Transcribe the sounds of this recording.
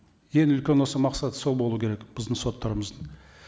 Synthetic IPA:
jenɪʏlkʲe̞nwo̞səmɑqsɑt̪ə̥solˠbo̞lˠuəkʲʰeɾekb̥ɪzd̪əɴso̞t̪ːɑɾəməzd̪ə

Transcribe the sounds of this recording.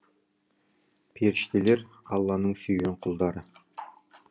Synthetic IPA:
pʰeɾɪʃt̪ele̞ɾ | ɑlˠːɑnəɴsɵjɡeɴqʰʊlˠd̪ɑɾə

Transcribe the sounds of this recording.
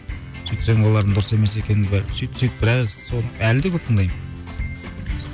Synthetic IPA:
syjt̪seŋbolˠɑɾd̪ənd̪ʊɾəse̞mes̬ekʲʰenɪnbsyjt̪syjt̪̚bɪɾɑzsonəælɪd̪ekʲʰɵp̚t̪ʰəŋd̪ɑjmə

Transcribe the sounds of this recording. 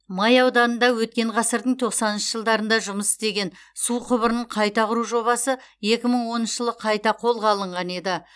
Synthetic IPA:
mɑjɑwd̪ɑnənd̪ɑwɵt̪̚kʲe̞ɴʁɑsəɾd̪əɴt̪ʰo̞qsɑnənʃəʒəlˠd̪ɑɾənd̪ɑʒʊməsɪ̥st̪e̞ɡʲe̞nsuqʰʊbəɾənəɴqʰɑjt̪ɑqʰʊɾuʒo̞βɑsəje̞kʲɪməɴwo̞nənʃə̥ʒəlˠəqʰɑjt̪ɑqʰo̞lˠʁɑlˠəɴʁɑne̞d̪ɪ

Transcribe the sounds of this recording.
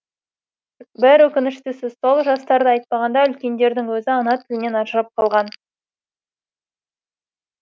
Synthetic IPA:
bɪɾwɵkʲɪnɪʃt̪ɪsɪzso̞lˠʒɑst̪ɑɾd̪əɑjt̪̚pɑʁɑnd̪ɑʏlkʲe̞nd̪e̞ɾd̪ɪŋwɵzɪɑnɑt̪ʰɪlɪne̞nɑʒɾɑp̚qʰɑlˠʁɑn

